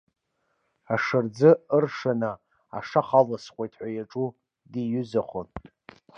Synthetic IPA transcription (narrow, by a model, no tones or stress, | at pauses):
aʂɨrd͡zɨɨrʂana | a̰ʂaχalasχʷojtʰħʷajaʈ͡ʂʼu | dijʏzaχʷon